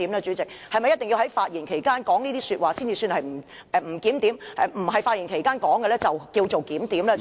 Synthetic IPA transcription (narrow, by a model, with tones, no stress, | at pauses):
i˨˥mlɛː˧t͡ʃyː˨˥t͡sɪ˨k̚hɐ˨jmɐ˨jːɐ˥t̪ɪ˨ŋji˧whɐ˨˥jfaː˧t̚jiː˨˩nkʰe˨˩jkaː˥nkɔː˨˥ŋniː˥t̪iː˥syː˧t̚waː˨siː˥nt͡siː˨˧syː˧nhɐ˨jm̩˨˩ | ʔɛ˨˧m̩˨˩kiː˨˥mt̪iː˨˥mɛ˨˧m̩˨˩hɐ˨˩jfaː˧t̚jiː˨˩nkʰe˨˩jkaː˥nkɔː˨˥ŋkɛ˧lɛː˥t͡sɐ˨wkiː˧wt͡so˨wkiː˨˥mt̪iː˨˥mlɛː˥